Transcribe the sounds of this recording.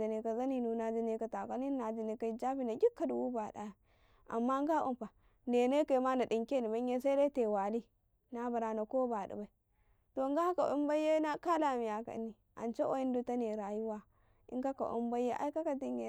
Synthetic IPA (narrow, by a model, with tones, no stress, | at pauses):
i˨ni˨ka˨za˦ni˨nu˨na˨d͡ʒi˦ni˦ka˨ta˨ka˦ni˦na˨d͡ʒi˨ni˨ka˦i˦d͡ʒa˦ɸi˦˨na˨ɡʲi˦kːa˨du˨wu˦ba˨da̰˦˨ | a̰˨mːa˦ŋ˦ɡa˦ʔṵ˦mpa˨ | ne˨ne˦ke˨˦ma˦na˨di˨ŋke˦ni˨ba˦ɲ˦e˦s̬a˦de˦te˨wa˨li˦ | na˦ba˨ɾa˨na˨ko˦ba˨dḭ˨ba˨i˦ | to˨ŋɡa˦ka˨ʔṵ˦mba˦je˦na˦ka˦la˨mi˨ja˨ka̰˨˦nːi˨ | a̰˨nt͡ʃe˦ʔo̰˦i˦n˦du˦ta˦ne˨ɾa˨ju˦wa˦ | ḭ˦ŋɡa˦ka̰˨ʔṵ˦mba˦je˦ʔa̰˦i˦ka˦ka˨ti˦ŋɡe˨